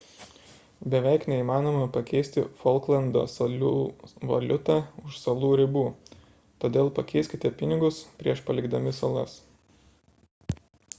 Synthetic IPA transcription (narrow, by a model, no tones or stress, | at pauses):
bʲɛʋʲɛɪknʲɛiːˑmɑːnoːmɐpɐkʲɛɪsʲt̪ʲɪ̰fɔlˠklˠɐnd̪o̰ːsɐlʲuːʋɐ̰lʲʊt̪ɑːʊʃsɐlˠuːɾʲɪbuː | t̪oːd̪ʲeːlˠpɐkʲɛɪsʲkʲɪt̪ʲɛpʲɪnʲɪɡʊspʲɾʲiɛʃpɐlʲɪɡd̪ɐmʲɪsɐlˠɐ̰s